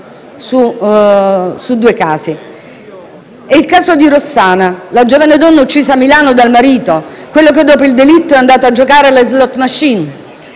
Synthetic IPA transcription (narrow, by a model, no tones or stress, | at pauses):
su | sud̪ːuːekaːsi | eilkaːzod̪iɾosːaːnalad͡ʒoːvaned̪ɔnːaut͡ʃːiːzamːilaːnod̪almaɾiːt̪o | kwelːoked̪ːɔːpoild̪elit̪ːoɛand̪aːt̪oad͡ʒːokaːɾelezlɔt̪ːmaʃːin